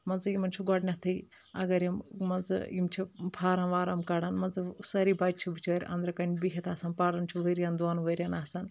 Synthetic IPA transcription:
mɐnzɨimɐnt͡ʃʰuɡɔɽnʲɐt̪ʰɐj | ɐ̰ɡɐɾjɐmmɐnzɨ̰imt͡ʃʰipʰaːɾɐnʋaːɾɐmkɐɽɐnmɐnzɨsɐɾibaːt͡ʃ̚t͡ʃʰibɨt͡ʃʰoːɾʲʔɐ̰nd̪ɾɐkɐnʲbiɦʲet̪ʰaːsɐnpaɽɐnt͡ʃʰiʋɐɾʲjand̪uaːnʋɐɾʲjanaːsɐn

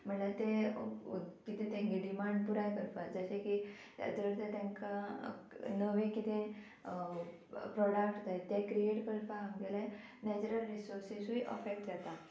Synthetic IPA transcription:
m̤əɳlat̪e | kit̪ẽt̪ãŋɡiɖimaɳɖ̚puɾajkəɾpad͡zəɕeki | a̰t̪əɾt̪et̪ãŋka | nəʋẽkit̪e | pɾɔɽəkʈd̪ajt̪ekɾieʈkəɾpããŋɡele | nɛt͡ɕɾəlɾisoɾsisuiʔə̰fekʈjɛt̪a

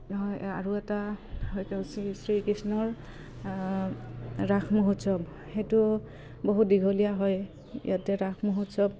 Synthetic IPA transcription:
nɦɔja̰ɹuɛtaɦɔjkɛsisɹikɹisnɔɹ | ɹaxʰmoɦutsɔb | xetʊ | boɦut̚diɡʱolijaɦɔj | jʔatɛɹaxʰmoɦutsɔb̚

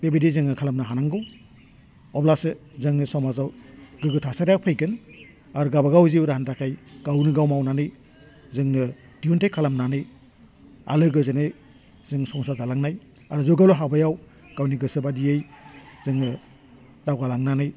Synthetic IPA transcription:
bebidizɯŋɯkʰalamnaɦanaŋɡɯw | ɔblasɯzɯŋnɯsɔmazawɡɯɡɯtʰasaɾjak̚pʰɯjɡɯn | aɾɡabaɡawziwɾahantakʰajɡ̥awnɯɡawmawnanɯj | zɯŋnɯ | d̥iuntajkʰalamnanɯj | a̰lɯɡɯzɯnɯj | zɯŋsɔŋsadalaŋnaj | aɾuzɔɡawlɔɦabajaw | ɡ̥awniɡɯsɯbadijejzɯŋnɯ | dawɡalaŋnanɯj

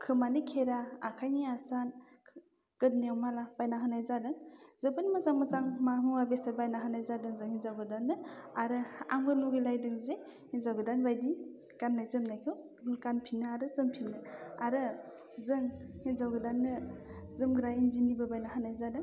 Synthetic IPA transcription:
kʰɯmanɯkʰeɾaakʰajniasan | ɡ̥ɯt̚nijawmalabajnaɦɯnajzadɯŋzɯbɯnmɯsaŋmɯsaŋmamɯwabesabajnaɦɯnajzadɯŋzɯŋhinzawɡɯdanːɯaɾɯa̰ŋbɯluɡɯjlajdɯŋze | hinzawɡɯdanbajdi | kanːajzɯmnajkʰɯw | nkanpʰinːɯaɾɯzɯmpʰinɯaɾɯ | zɯŋhinzawɡɯdanːɯzɯmɡɾajinzinibɯbajnaɦɯnajzadɯŋ

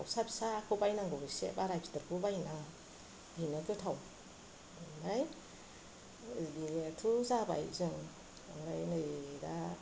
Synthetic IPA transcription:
tʰawsabi̥saːkʰɯwbajnaŋɡɯwbisḛbaɾapʰi̥tɯɾkʰubajna | ɡinɯtɯtʰaw | maɾaj | ditʰuzaba̰jzɯŋ | maɾajnɯjda

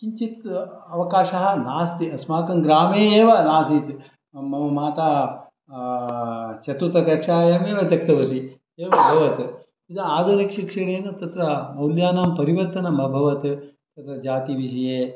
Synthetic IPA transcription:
kiɲt͡ʃit̪ɐʋɐkaːʃɐɦɐnaːst̪iɐsmaːkɐŋɡɾaːmeːeːʋɐnaːsit̪ | mɐmɐmaːt̪aː | t͡ʃɐt̪ut̪ɐkɐʂaːjɐmeːʋɐt̪ɐk̚t̪ɐʋɐt̪i | eːʋɐbʱɐʋɐt̪ | id̪ɐaːd̪ɐɾɐkʂikʂɐɽeːnɐt̪ɐt̪ɾɐmɐwljaːnaːmpɐɾiʋɐɾt̪ɐnɐmɐbʱɐʋɐt̪t̪ɐt̪ɾɐd͡ʒaːt̪iʋiʂɐjeː

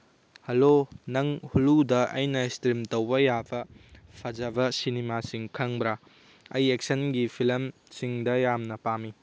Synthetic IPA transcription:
hɐlonɐŋhuludɐʔɐjnɐstɾimtɐwbɐjabɐpʰɐd͡ʒɐbɐsinimasiŋkʰɐŋbɾa | ɐjek̚sɐnɡipʰilɐmsiŋdɐjamnɐpami

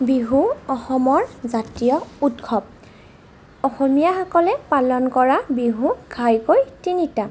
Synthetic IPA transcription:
biɦuɔxɔmɔɹzatijɔutkʰɔb̚ | ɔxɔmijaxɔkɔlɛpalɔnkɔɹabiɦuɡʰʱajkojtinita

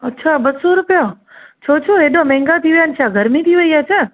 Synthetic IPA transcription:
ətːʃʰabəssoɾupja | t͡ʃʰot͡ʃʰoeɖomɛ̃ŋɡat̪ʰiʋjant͡ʃʰaɡʱəɾmit̪ʰiʋəjat͡ʃʰe

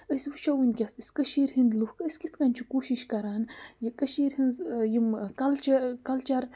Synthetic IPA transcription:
əsʲwɨt͡ʃʰɐwɨnʲkʲɐsəsʲkɐʃiɾɦɨnd̪luhkəsʲkit̪ʰkɐnʲt͡ʃʰikuːʃiʃkɐɾaːnjikɐʃiɾɦɨnzjimkɐlt͡ʃɐkɐlt͡ʃɐɾ

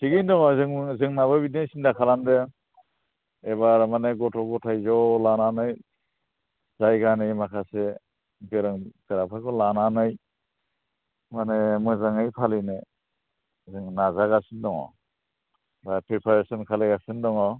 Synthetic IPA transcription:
sʰiɡindɔŋɔzɯŋzɯŋnaβabidejsindakʰalandɯ | ebaɾmaneɡɔtʰɔɡɔtʰajzɔlananɯj | zajɡanɯjmakʰase | ɡɯɾɯŋdɯɾapʰakʰɔlananɯj | manemɯzaŋɯjpʰalɯnɯ | zɯŋnazaɡasɯndɔŋɔ̰ | bapʰɾepʰaɾesɔnkʰalejɡasɯndɔŋɔ

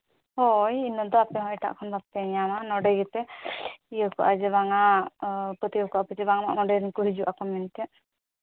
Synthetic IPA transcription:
hɔjinːɔd̪ɔapɛɦɔ̃ɛʈa̰ʔkʰɔnbat̪ɛɲamanɔɖɛjɡɛt̪ɛiɔkɔʔad͡ʒɛβaŋa | pət̪iɔkɔʔapɛt̪ɛbaŋama̰ʔnɔɖɛjɾinkuɦid͡ʒuʔakɔmɛnt̪ɛ

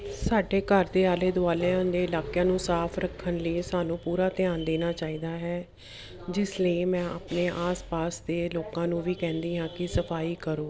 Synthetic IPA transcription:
saːɖeːkəɾd̪eːaːleːd̪ʊaːleãːd̪eːɪlaːkjãːnũːsaːpʰɾəkʰːənləiːsaːnũːpuːɾaːt̪ɪjaːnd̪eːnaːt͡ʃaːiːd̪aːɦɛː | d͡ʒɪsləimɛ̃ːa̰ːpneːʔaːspaːsd̪eːloːkãːnũːʋiːkɛ̃ːnd̪iːɦãːkɪsəpʰaːiːkəɾoː

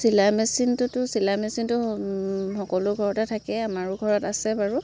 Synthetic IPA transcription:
silamɛsintʊtʊsilamɛsintʊ | xɔkɔlʊɡʱɔɹɔtɛtʰakɛamaɹʊɡʱɔɹɔtasɛbaɹu

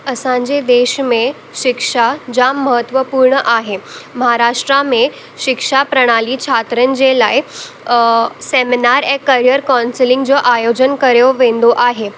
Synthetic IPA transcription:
əsãɲd͡ʑed̪eːʃmẽ | ʃɪkʂad͡ʑaməɦət̪ʋəpuːɾɳəʔaɦeməɦaɾaːʂʈɾamẽ | ʃɪkʂapɾəɽ̃aliːt͡ɕʰat̪ɾənd͡ʑelaːi | seminaɾekəɾijəɾkɔnsilɪ̃ŋɡd͡ʑoːʔajod͡ʑənkəɾjoʋẽnd̪oʔaɦe

